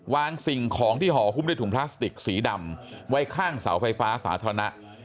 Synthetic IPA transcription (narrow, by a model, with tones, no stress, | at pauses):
waː˧ŋsi˨˩ŋkʰɔː˩˦ŋt̪ʰiː˥˩ɦɔː˩˦pʰu˥˩mdaː˥˩j̪t̪ʰu˩˦˥pʰlaː˦˥st̪i˨˩k̚siː˩˦da˨˩mwa˦˥jkʰaː˥˩ŋsa̰˩˦wfa˧jfaː˦˥sa̰ː˩˦t̪ʰa˧ɾa˧na˦˥ʔ